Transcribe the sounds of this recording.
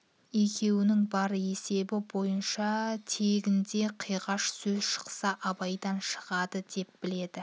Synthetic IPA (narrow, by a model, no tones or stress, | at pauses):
e̞kʲʰe̞wɪnɪŋbɑɾe̞se̞bɪbo̞jənʃɑt̪ʰeɡʲɪnd̪e̞qʰijʁɑʃsɵzʃə̥qsɑʔɑbɑjd̪ɑnʃə̥ʁɑd̪əd̪e̞p̚b̥ɪle̞d̪ɪ